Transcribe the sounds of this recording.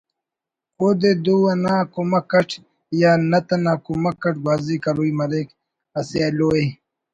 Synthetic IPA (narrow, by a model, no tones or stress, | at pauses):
od̪ed̪uwɐnãːkumɐkːɐʈ | jaːnɐt̪ɐnaːkumɐkːɐʈ̚ɡwaːzikɐɾuimɐɾek | ɐseloːe